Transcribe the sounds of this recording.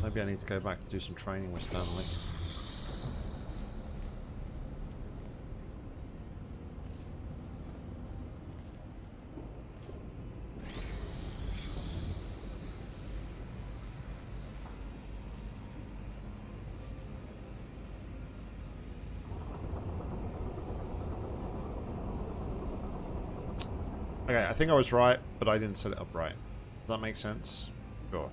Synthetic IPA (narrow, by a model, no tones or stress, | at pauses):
meɪbiaɪniːd̚tʰəɡəʊbakdəsə̃mtʰɹ̥ẽɪ̃nɪ̃ŋwɪ̥stãnli | oʊkeɪaɪθɪ̃ŋkaɪwʌzɹaɪt̚b̥ʌɾaɪdɪdⁿn̩tsɛɾɨ̰ɾʌ̰pɹaɪt̚ | ʌzðət̚meɪksɛ̃ns | ʃʊ̰